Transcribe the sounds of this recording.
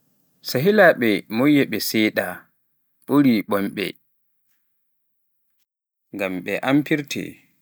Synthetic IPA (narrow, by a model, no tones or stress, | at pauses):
saɦilaɓɛmojːɛɓɛsɛjɗa | ɓ̥oɾiɓɔmɓɛ̰ | ŋɡamɓɛʔampiɾtʰɛ̰